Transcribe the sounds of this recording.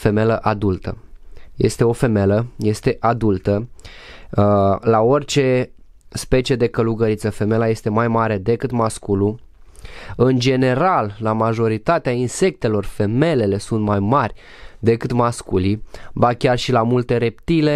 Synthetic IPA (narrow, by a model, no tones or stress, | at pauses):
fe̞me̞ləʔad̪ult̪ə̰je̞̰st̪e̞o̞fe̞me̞ləje̞st̪e̞ʔad̪ult̪ə | lao̞rʲt͡ʃe̞ | spe̞t͡ʃije̞d̪e̞kəluɡəɾit̪səfe̞me̞laje̞st̪e̞majmaɾe̞d̪e̞kɨt̪maskulu | ɨnd͡ʒe̞ne̞ɾalːamaʒo̞ɾit̪at̪eainse̞k̚t̪e̞lo̞rfe̞me̞le̞le̞sunt̪majmarʲ | d̪e̞kɨt̪maskulibakʲarʃilamult̪e̞ɾe̞pt̪ile̞